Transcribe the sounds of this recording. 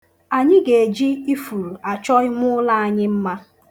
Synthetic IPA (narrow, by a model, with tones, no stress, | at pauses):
a˨ɲɪ˦ɡe˨e˨d͡ʒi˦i˦fu˨ɾu˨a˨t͡ʃɔ˦ɪ˦mʷʊ˦la˦a˨ɲɪ˦m̩˦ma˦